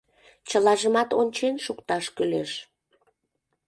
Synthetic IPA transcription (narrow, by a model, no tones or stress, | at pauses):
t͡ɕəlɑʒəmɑt̪onʲt͡ɕenʃukt̪ɑʃkyleʃ